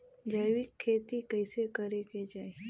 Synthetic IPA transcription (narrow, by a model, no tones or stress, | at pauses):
d͡ʒaːjwikʰːeːt̪ikəɪsekɐɾeked͡ʒaːe